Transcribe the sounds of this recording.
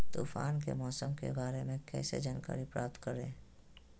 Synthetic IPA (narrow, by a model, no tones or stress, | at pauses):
t̪uːfʰaːnkemɔːsəmkḛbaːɾemẽkɛ̰ːsḛd͡ʒaːnka̰ːɾipɾaːp̚t̪kəɾẽː